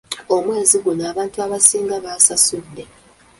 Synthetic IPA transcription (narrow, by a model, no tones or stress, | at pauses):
o̞mwe̞ːziɡunaːβaːntuaβasiːŋɡaβasasunde